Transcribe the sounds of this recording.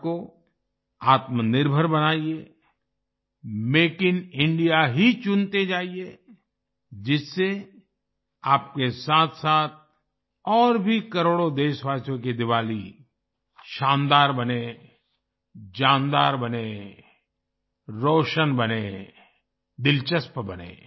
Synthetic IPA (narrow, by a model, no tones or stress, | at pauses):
ko | aːt̪mənɪɾbʱəɾbɐnaːie | meːkɪnɪ̃ɳɖijaɦit͡ʃʊ̃nt̪ed͡ʒaːie | d͡ʒɪsːe | aːp̚kesaːt̪ʰsaːt̪̚ʰ | ɔːɾbʱikɐɾoːɽod̪eːʃʋaːsjõked̪ɪʋaːli | ʃãːnd̪aːɾbɐne | d͡ʒãːnd̪aːɾbɐne | ɾoːʃənbɐneː | d̪ɪlt͡ʃəspbɐnḛː